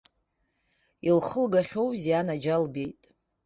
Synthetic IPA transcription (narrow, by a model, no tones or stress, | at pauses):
ilχəlɡaχʲo̞wzjanad͡ʒalbe̞jtʼ